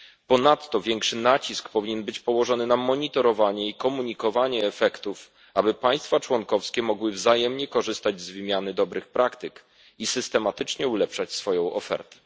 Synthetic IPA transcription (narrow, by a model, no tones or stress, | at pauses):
pɔnat̪ːɔvʲjɛŋkʂɘnat͡ɕiskpɔvʲiɲɛnbɘt͡ɕpɔwɔʐɔnɘnamɔɲit̪ɔɾɔvaɲɛikɔmuɲikɔvaɲɛːfɛkt̪uf | abɘpaj̃st̪fat͡ʂwɔnkɔfskʲɛmɔɡwɘvzajɛmɲɛkɔʐɘst̪ad͡ʑzvɘmʲjanɘd̪ɔbɾɘxpɾʔakt̪ɘk | isɘst̪ɛmat̪ɘt͡ʂɲɛulɛpʂat͡ɕsfɔjɔ̃w̃ɔ̰fɛ̰ɾt̪ɛ̥